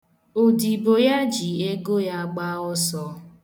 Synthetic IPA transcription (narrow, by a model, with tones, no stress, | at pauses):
o˨di˨bo˨ja˦d͡ʒi˨e˦ɡo˦ja˦ɡ͡ba˦ɔ˦sɔ˦